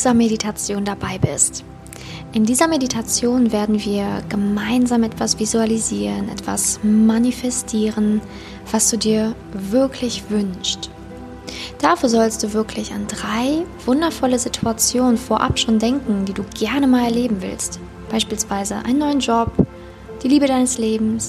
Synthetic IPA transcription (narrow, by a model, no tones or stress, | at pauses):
zɐmeditʰat͡sjoːndabaɪbɪ̰st | ʔɪndiːzɐmeditʰat͡sjoːnveːɐdn̩viːɐɡ̥əmaɪnzaːmʔɛtv̥asv̥izualiziːʁənʔɛ̰tv̥a̰smanifɛstʰiːʁən | v̥asd̥uːdiːɐ | vɪɐkʰlɪçv̥ʏnst | d̥afyːɐzɔlstd̥uːvɪɐklɪça̰ndʁaɪv̥ʊndɐfɔləzitʰuat͡sjoːnənfoːɐʔa̰pʃoːndɛŋkŋ̩d̥iːduːɡɛɐnəmaːlɛɐleːbm̩vɪ̰lst | b̥aɪʃpiːlsv̥aɪzə̰ʔa̰ɪnːɔʏənd͡ʒɔp | d̥iːliːbədaɪnəsleːbm̩s